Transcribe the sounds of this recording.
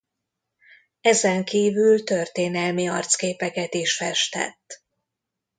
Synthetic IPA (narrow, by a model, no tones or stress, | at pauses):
ɛzɛŋkiːvylt̪ørt̪eːnɛlmiɒrt̪skeːpɛkɛt̪iʃfɛʃt̪ɛ̰t̪ː